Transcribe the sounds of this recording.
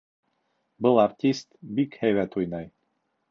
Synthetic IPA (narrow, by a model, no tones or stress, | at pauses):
bɤlˠartʲist̪bikhæjwæt̪ujnɑj